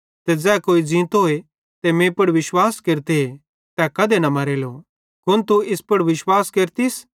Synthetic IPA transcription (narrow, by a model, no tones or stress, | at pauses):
t̪ɛd͡zɛːkoːid͡zĩːt̪ɦoːe | t̪emẽːpʊɽʋɪʃwaːskeːɾt̪ee | t̪ɛkɐd̪enɐmɐɾeːlo | kʊnt̪uɪspʊɽʋɪʃwaːskeːɾt̪is